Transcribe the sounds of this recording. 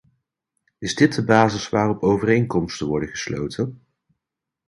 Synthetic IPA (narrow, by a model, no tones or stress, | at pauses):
ɪzdɪt̚dəbaːzɪsʋaːrɔpowvərejŋkɔmstənʋɔɹdəχəslo̰wtʰən